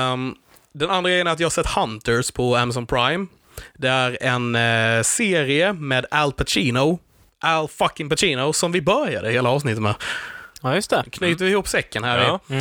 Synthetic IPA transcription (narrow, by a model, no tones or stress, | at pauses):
d̪ɛnanɾaɡɾɛjənæɾt̪jɑhasɛt̪ːhant̪əɾspʰɔæmas̬ɔnpʰɾajm | d̪ɛæɾɛnseːɾɪəmeːd̪ælpʰat͡ʃiːno | ʔælfakːɪŋpat͡ʃiːnoʊsɔmvɪbœɾjad̪əɪheːlaɑːvs̬nɪt̪ːət̪mɛː | jɵst̪ɛkʰnyːt̪əvɪhuːpsɛkːənhæːɾɪ